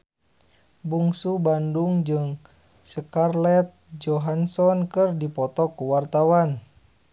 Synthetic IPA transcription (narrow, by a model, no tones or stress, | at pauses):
buŋsubanduŋd͡ʒɨŋ | səkarlɛt̪̚d͡ʒɔɦansɔnkɨrdipɔt̪ɔkuwart̪awan